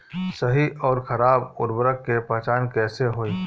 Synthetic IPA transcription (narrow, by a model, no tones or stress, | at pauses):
səɦiʔɔːɾxʰɐɾaːbʊɾbəɾəkːepɛɦt͡ʃaːnkɛːseɦoːiː